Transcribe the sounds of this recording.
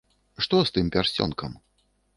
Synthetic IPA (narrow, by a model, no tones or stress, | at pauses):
ʂt̪ɔst̪ɨmpʲarsʲt͡sʲɔ̰nkɐm